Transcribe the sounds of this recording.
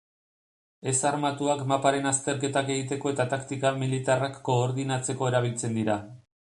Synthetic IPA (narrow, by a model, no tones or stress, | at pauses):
e̞saɾmat̪uakmapaɾe̞nast̪e̞ɾk̬e̞t̪ake̞ɣit̪e̞ko̞e̞t̪at̪akt̪ikamilit̪arakːo̞ːɾðinat͡se̞ko̞e̞ɾaβ̞ilt͡se̞nd̪iɾa